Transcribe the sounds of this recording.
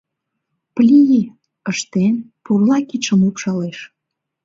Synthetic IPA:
plʲije | əʃt̪enpurlɑkit͡ɕəmupʃɑleʃ

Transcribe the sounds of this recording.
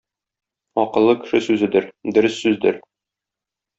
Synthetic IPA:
ɒqɤ̆lˠːɤkɘ̥̆ʃɘsʉzɘd̪ɘɾd̪ɵ̆ɾɘsːʉzd̪ɘɾ

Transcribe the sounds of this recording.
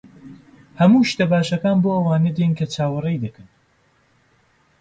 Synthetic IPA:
hɐmuːʃt̪ɐbaːʃɐkaːnboːʔɐwaːned̪ejnkʰɐt͡sʰaːwɨrejd̪ɨkɨn

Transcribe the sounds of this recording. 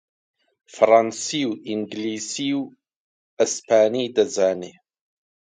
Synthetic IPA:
fɨɾɑnsiːwʔiŋɡliːsiw | ɐspʰaːniːd̪ɐzaːneː

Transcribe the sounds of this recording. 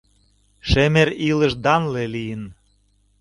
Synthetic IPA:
ʃemeɾiləʃd̪ɑnlelijən

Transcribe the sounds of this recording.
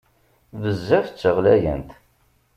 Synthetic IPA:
vəzːæft͡sːəʁlæ̰jə̰nt̪

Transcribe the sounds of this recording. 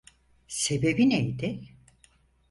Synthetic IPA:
se̞be̞binejd̪ɪ

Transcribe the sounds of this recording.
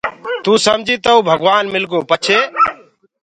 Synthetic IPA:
t̪uːsəmd͡ʒʱiːt̪əubʱəɡʋaːnmɪlɡõːpət͡ʃʰeː

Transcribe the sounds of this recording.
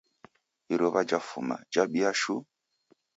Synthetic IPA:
iɾɔβad͡ʒafṵma̰d͡ʒaɓiaʃu

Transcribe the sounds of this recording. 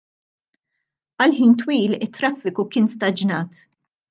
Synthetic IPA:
ɐlħiːnt̪wiːlɪt̪ːɾɐfːɪkukɪːnst̪ɐd͡ʒnɐːt̪

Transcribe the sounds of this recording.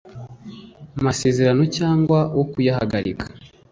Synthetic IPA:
amase̞ːze̞ɾano̞caːŋɡwawʔokujahaɡaɾḭkḁ

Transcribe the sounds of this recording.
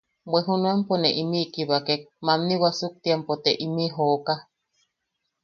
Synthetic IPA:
bʷeɦunũemponeʔimikiβakek̚mamniwasuk̚t̪iempot̪eʔimiɦoːka

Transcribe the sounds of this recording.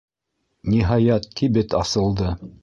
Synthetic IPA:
niɦɑjɑt̪̚kʰiβɘt̪ɑsɤ̆lˠd̪ɤ

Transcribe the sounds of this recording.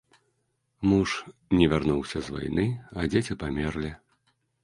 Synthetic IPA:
muʂnʲɛvʲarnuwsʲɐzva̰jnɨɐd͡zʲet͡sʲipamʲɛrlʲi

